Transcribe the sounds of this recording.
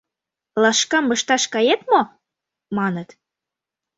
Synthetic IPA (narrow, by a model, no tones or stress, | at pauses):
lɑʃkɑmːɤ̆ʃt̪ɑʃkɑjet̪mo | mɑnət̪